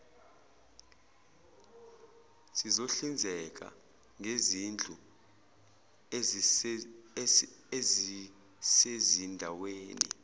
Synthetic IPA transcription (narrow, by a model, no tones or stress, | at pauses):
sizoɬind͡zʱɛk̬ʼa̰ | ŋezind͡ɮʱu | ez | sezindʱaweːnḭ